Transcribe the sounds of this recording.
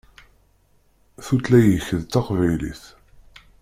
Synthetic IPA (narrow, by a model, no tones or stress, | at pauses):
θut̪læjəçəðt̪ɑqvæjlḭθ